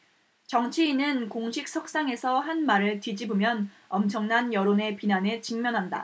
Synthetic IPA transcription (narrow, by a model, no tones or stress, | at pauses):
t͡ɕʌŋt͡ɕʰiːnɯnkoŋɕʰik̚s͈ʰʌk̚s͈aŋe̞sʰʌɦanmaɾɯɭtid͡ʑibumjʌn | ʌmt͡ɕʰʌŋnanjʌɾone̞pinanet͡ɕiŋmjʌnɦanda̰